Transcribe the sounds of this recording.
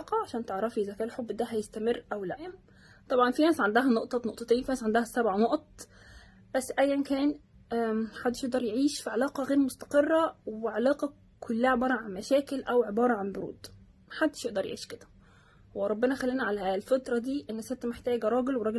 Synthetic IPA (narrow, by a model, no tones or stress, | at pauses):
qɑʕaʃæːnt̪eʕɾˤɑfiʔezækæːʔlħobːd̪æɦæjest̪æmerːʔæwlæ | t̪ˤɑbʕɑnfinæːsʕand̪æɦænoʔt̪ˤɑnoʔt̪ˤɑt̪eːnfinæːsʕand̪æhæsæbʕanoʔt̪̚ˤ | b̥æsːʔæjːænkæːn | ħad̪ːeʃjeʔd̪ɑɾˤjeʕiːʃfiʕalɑːqɑɣeːɾmost̪æ̥qerˤːæweʕalɑːqɑ | kʰolːæhæʕebɑːɾˤɑʕanmæʃæːkelʔæwʕebɑːɾˤɑʕanboɾṵːd̪̥ | mħad̪ːɪʃjeʔd̪ɑɾˤjḛʕḭːʃked̪æ | weɾˤɑbːenæxælːiːnæʕalælfɑt̪ˤɾˤɑd̪iːʔenːæset̪ːmeħt̪æːɡæɾˤɑːɡelweɾˤɑɡ